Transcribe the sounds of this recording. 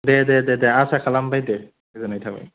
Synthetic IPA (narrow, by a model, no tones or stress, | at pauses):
dɛdɛdɛdɛasɛkʰalambajdɛ | ɛzanajtʰaba̰j